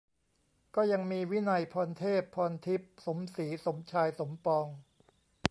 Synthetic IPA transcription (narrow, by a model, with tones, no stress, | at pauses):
kɔː˥˩ja˧ŋmiː˧wi˦˥na˧jpʰɔː˧nt̪ʰeː˥˩pʰːɔː˧nt̪ʰi˦˥p̚so˩˦msiː˩˦so˩˦mt͡ɕʰaː˧jso˩˦mpɔː˧ŋ